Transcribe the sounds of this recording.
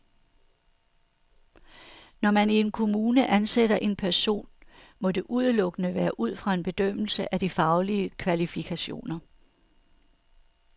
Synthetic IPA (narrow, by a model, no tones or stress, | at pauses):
nɒmænie̝nkʰo̝muːnəʔænsed̥ɐʔe̝npʰæɐso̝̰ːn | mɒ̽de̝ʔuð̞ˠəlɔ̽ɡ̥ənəʋæːɐʔuð̞̰ˠfʁɑ̈e̝nb̥e̝d̥øm̰l̩səʔæd̥ifɑ̈ʊliəkʰʋælifikʰæɕo̝̰ːnɐ